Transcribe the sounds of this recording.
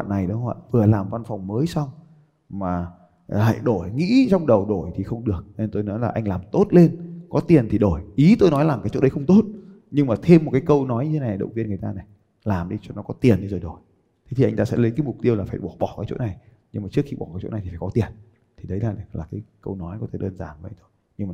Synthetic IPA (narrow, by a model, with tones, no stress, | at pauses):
ɓa̰˧˨nːa˨˩jɗə˨˦hwa̰ː˧˨vɨ˨˩əlaː˨˩mva˧nfɔ˨˩wŋ͡mməː˨˦jsa˧wŋ͡m | maː˨˩˨ | ha̰˧˨jɗo˧˩jŋḭ˧˥t͡ɕɔ˧wŋ͡mɗə˨˩wɗo˧˩jt̪ʰi˨˩xə˧wŋ͡mɗɨ˨˩ək̚nt̪o˧jnɔ˨˦jlaː˨˩ʔa˧jŋ̟laː˨˩mt̪o˦˥t̚le˧nkɔ˨˦t̪i˨˩ənt̪ʰi˨˩ɗo˧˩jʔi˨˦t̪o˧jnɔ˨˦jlaː˨˩ŋkaː˨˦jt͡ɕo̰˧˥ɗə˨˦jxə˧wŋ͡mt̪o˦˥t̚ | ɲɨ˧ŋmaː˨˩t̪ʰe˧mː˨˩t̚kaː˨˦kə˧wnɔ˨˦jɲɨ˧e˨˦n˨˩jɗə̰˧˨wŋ͡mvi˧ənŋɨ˨˩ə˩jt̪aː˧nɛ˨˩ | laː˨˩mɗi˧t͡ɕɔ˧nɔ˨˦kɔ˨˦t̪i˨˩ənːɨ˧zo˨˩jɗo˨˩j | t̪ʰe˨˦i˨˩ʔjŋt̪aː˧sɛ̰˧˥lə˨˦jkaː˨˦jmʊ˨˩k͡p̚t̪i˧əwlaː˨˩faː˧˩jɓɔ˧˩ɓɔ˧˩kaː˨˦jt͡ɕo̰˧˥na˨˩j | ɲɨ˧ŋmaː˨˩t͡ɕɨ˦˥əkxi˧ɓɔ̰˧˩kaː˨˦jt͡ɕo̰˧˥na˨˩jt̪ʰi˨˩faː˧˩kɔ˨˦t̪i˨˩ən | t̪ʰi˨˩ɗə˨˦jlaː˨˩nɛ˨˩laː˨˩kaː˨˦jkə˧wnɔ˨˦jkɔ˨˦t̪ʰe˧˩ɗəː˧nzaː˧˩nvə̰˧˨jt̪ʰo˧j | ɲɨ˧ŋmaː˨